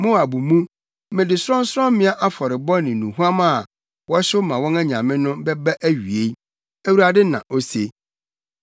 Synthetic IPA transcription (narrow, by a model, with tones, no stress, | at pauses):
mʊ̃˦˨a˨bu˨mũ˦ | mɪ̃˨dɪ˨sɾɔ̃˦n̩˦sʊ˦ɾɔ̃˦mɪ̃˦a˦ʔa˦fɔ˨ɾɪ˨bɔ˦nɪ̃˨nũ˨hu˦a˦ma˦˨ | wɔ˦ɕʊ˦mã˨wɔ̃˦nɛ˦ɲã˨mɪ̃˦nʊ̃˦bɛ˦ba˦ʔæ˦ɥi˨e˦ | æ˦wu˦ɾa˨dɪ˦nã̰˨ʔo˦se˦